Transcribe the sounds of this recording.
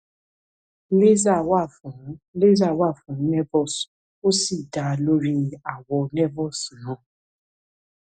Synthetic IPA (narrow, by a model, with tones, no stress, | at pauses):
le˦za˦˨wa˦˨fũ˨˦le˦za˦˨wa˦˨fũ˨˦nɛ˦vɔ˦˨s | o˦si˦˨da˨˧lo˦ɾi˦a˦˨wɔ˧nɛ˦vɔ˦˨snãː˦˨